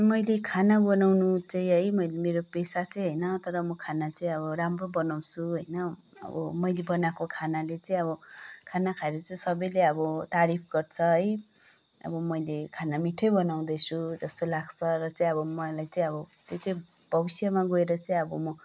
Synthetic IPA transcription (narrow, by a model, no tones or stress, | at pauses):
mʌjlekʰanabʌnawnut͡saĩɦʌjmʌjlemeɾopesat͡sʌj̃ɦʌjnʌt̪ʌɾʌmʌkʰanat͡saĩʌbʌramrobʌnaw̃t͡sʰuɦʌjnʌ | ʌ̰bʌmʌjlebʌnakokʰanalet͡saĩʌbʌkʰanakʰaeɾʌt͡saĩsʌbʌjleʌbʌt̪aɾip̚ʰɡʌrt͡sʰʌɦʌj | ʌ̰bʌmʌjlekʰanamiʈʰʌjbʌnaw̃d̪ʌjt͡sʰud͡zʌst̪olaɡt͡sʰʌɾʌt͡saĩʌβʌmʌlajt͡saĩʌbʌt̪jot͡sʌĩ | b̥ʱʌbisjamaɡoeɾʌt͡saĩʌbʌmʌ